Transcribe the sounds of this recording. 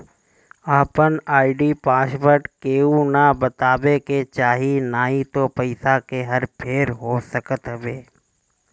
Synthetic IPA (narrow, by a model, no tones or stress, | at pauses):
aːpənaːɪɖiːpaːsbəʈkeːunabət̪aːbeket͡ʃaːɦinaːɦit̪opəɪsakeɦəɾpʰeːɾɦoːsəkət̪ɦəbeː